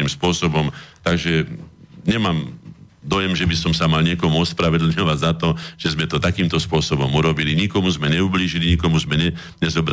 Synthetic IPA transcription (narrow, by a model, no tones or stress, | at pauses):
imspʊɔsɔbɔmt̪aɡʒɛ | ɲɛmaːm | d̪ɔjɛmʒɛbisɔmsamalɲɪɛkɔmuɔspɾaʋɛd̪l̩ɲɔʋaɟzat̪ɔʒ̥ɛzmɛt̪ɔt̪akiːmt̪ɔspʊɔsɔbɔmuɾɔbiliɲikɔmuzmɛɲɛubliːʒiliɲikɔmuzmɛɲɛ | ɲɛzɔbɾa